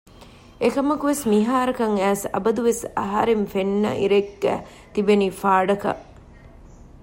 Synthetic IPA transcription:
ekɐmɐkuʋesmiɦaːɾɐkɐŋæːsɐ̰bɐd̪uʋesɐɦɐ̰ɾemfenːɐ̰ʔḭɾeɡːæ̰ | t̪ibeniːfaːɖɐkɐ̰ʔ

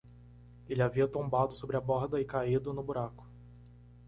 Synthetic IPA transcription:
elɪaviɐt̪õmbad̪ʊsobɾɪabɔɾd̪ɐɪkaid̪ʊnʊbuɾakʊ̥

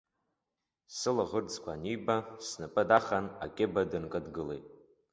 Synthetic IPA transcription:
sɨlaʁərd͡zkʷʰanijbasnɨpʼɨdaχana̰kʲʼebadɨnkʼɨdɡɨlejtʼ

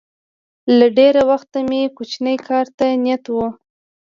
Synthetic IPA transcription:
laɖeɾawaxt̪amekut͡ʃnəjkʰɑɾt̪anjat̪wu

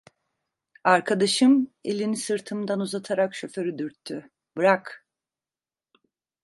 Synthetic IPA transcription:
aɾkʰad̪aʃɯmelʲinisɯɾt̪ʰɯmd̪anuzat̪ʰaɾakʃø̞fø̞ɾyd̪yɾt̪ʰːy | bɯɾak

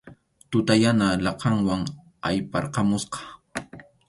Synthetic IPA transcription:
t̪ʊt̪ajanalɑqɑŋwaŋ | a̰jpɑɾqɑmʊsqɑ̥

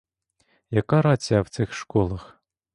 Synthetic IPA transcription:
jakaɾat͡sʲawt̪ɨxʂkolˠɐx

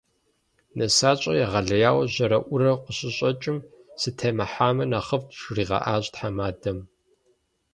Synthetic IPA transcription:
nɐsaːɕʼɐjaʁɐɮɐjaːwɐʑɐɾɐʔʷʊɾɐqʷəɕʼɪɕʼɐt͡ʃʼɪm | sɨtʰɐmɐħaːmɐnaχəftʃriːʁɑ̰ʔaːɕʼtħamaːdɐm

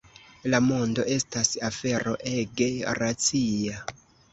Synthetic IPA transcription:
lamondo̞ʔe̞stasafe̞ɾo̞̰ʔeɡe̞ɾat͡sia

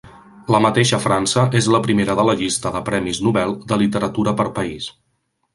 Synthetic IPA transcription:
ləmət̪eʃəfɾansəʔezləpɾimeɾəðələʎist̪əðəpɾɛmiznuβɛlˠd̪əlit̪əɾət̪uɾəpəɾpəis

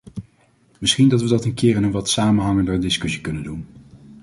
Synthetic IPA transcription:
mɪsχindɑtʋədɑtənkɪːɹɛnənʋɑtsaːmənɦɑŋəndərdɪskɵsi̥kɵnəndun

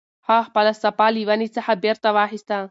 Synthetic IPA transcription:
hahpɐlɐsɐpaːliʋɐnit͡sɐħabeɾt̪ɐʋaːɦist̪a

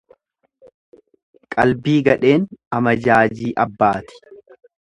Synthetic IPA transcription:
kʼɐlbiːɡɐᶑe̞ːnɐmɐd͡ʒaːd͡ʒiːʔɐbːaːt̪ɪ̥

